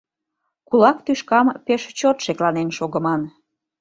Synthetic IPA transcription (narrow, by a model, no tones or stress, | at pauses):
kulɑkt̪yʃkɑmpeʃt͡ɕot̪ʃeklɑnenʃoɣə̆mɑn